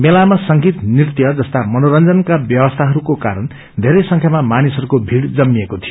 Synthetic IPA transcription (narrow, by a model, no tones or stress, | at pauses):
melamasʌŋɡit̪nirt̪ijʌd͡zʌst̪amʌnoɾʌnd͡zʌnkabjʌwʌst̪ʰaɦʌɾukokaɾʌn | d̪ʱeɾʌjsʌŋkʰjamamanisʌɾukobʱiɽd͡zʌmːiekot̪ʰijo